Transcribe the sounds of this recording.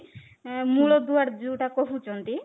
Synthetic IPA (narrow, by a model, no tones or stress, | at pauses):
muɭod̪uaɾd͡ʑuʈakoɦut͡ɕont̪i